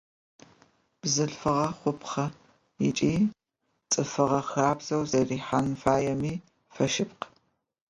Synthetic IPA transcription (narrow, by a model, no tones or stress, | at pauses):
b̥zɨɬfɨʁɐχʷʊpχɐ | it͡ʃʼiː | t͡sʼɨfɨʁɐxaːbz̥ɐwzɐriːħanfaːjɛmiː | fɐʃɪpq